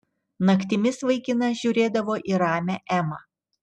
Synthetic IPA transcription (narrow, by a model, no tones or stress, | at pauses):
nɐkt̪ʲɪmʲɪsʋɐɪkʲɪnɐʒʲuːɾʲeːd̪ɐʋoːʔiːɾɑːmʲæʔæmɑː